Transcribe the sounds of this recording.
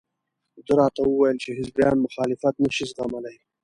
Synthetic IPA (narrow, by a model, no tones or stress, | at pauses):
d̪əɾɑt̪awuwajəlt͡ʃeɦɪzbjɑ̰ːnmʊxɑːlɪfat̪naʃizɣamalaj